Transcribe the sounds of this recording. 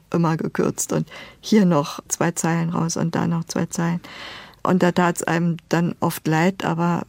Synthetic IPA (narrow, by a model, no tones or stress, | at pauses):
ʔɪmɐɡəkʰʏ̰ɐt͡stʊ̰nthiːɐnɔχt͡sv̥aɪt͡saɪlənʁa̰ʊsʊ̰nt̚d̥a̰ːnɔχt͡sv̥a̰ɪt͡saɪlənʔʊ̰nt̚d̥aːtʰaːtsʔa̰ɪnməmd̥anʔɔftlaɪtʔa̰ːbɐ